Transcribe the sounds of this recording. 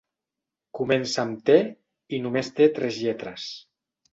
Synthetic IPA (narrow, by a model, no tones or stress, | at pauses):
kumensamt̪e | inumest̪et̪ɾɛzʎɛt̪ɾəs